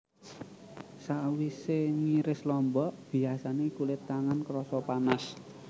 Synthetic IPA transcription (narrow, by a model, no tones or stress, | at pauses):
saʔwiseŋiɾɪslɔmbɔʔb̥i̤asanekulet̪aŋankɾɔsɔpanas